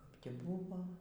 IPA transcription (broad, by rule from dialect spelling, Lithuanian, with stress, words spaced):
kɐp tʲiː ˈbʊʋoː